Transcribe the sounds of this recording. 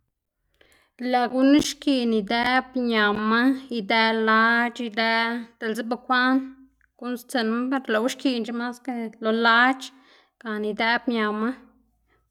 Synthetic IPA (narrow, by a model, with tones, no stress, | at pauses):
la˨ɡu˦ni˦ʃki˧ni˨d̪e˦bɲa˨ma˦i˧d̪æ˧la˦t͡ʃi˧d̪ɛ˦t̪e˨lze˦ba˧kʷa˦n | ɡ̥u˦nst͡se˧˨nma˦be˧ɾla˧˨wʃki˧nt͡ʃe˦ma˦ske˧lo˧la˦t͡ʃ | ɡ̥a˨ni˧d̪e˦bɲa˨ma˦